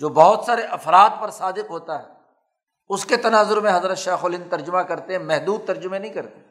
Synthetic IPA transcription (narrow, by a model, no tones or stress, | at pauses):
d͡ʒoːbɔɦʊt̪saːɾeʔɐfɾaːt̪̚pɐɾsaːd̪ɪqɦoːt̪aɦɛː | ʊsket̪ɐnaːzʊɾmẽɦɐzɾət̪ʃaːxoːlɪnt̪ɐɾd͡ʒʊmakɐɾt̪eɦɛ̃mɛɦd̪uːd̪̚t̪ɐɾd͡ʒʊmẽnɐɦĩkɐɾt̪e